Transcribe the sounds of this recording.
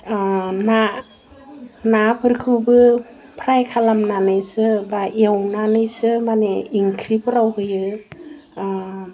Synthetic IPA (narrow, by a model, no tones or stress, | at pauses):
na | napʰɯɾkʰɯbɯ | pʰɾajkʰalamnanɯjsɯbaʔewnanɯjsɯmaneiŋkʰɾipʰɯɾawɡɯjɯ